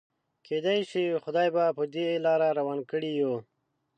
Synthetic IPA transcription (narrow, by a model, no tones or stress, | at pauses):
ked̪ajʃixʊd̪ɑːjbapəd̪elɑːɾaɾawankəɽijo